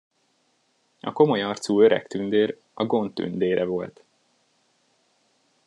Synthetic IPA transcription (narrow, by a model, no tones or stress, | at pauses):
ɒ̰ko̞mo̞jɒrt̪suːø̞ɾɛ̰kt̪ynd̪eːɾ | ɒɡo̞nt̪ːy̰nd̪eːɾɛvo̞lt̪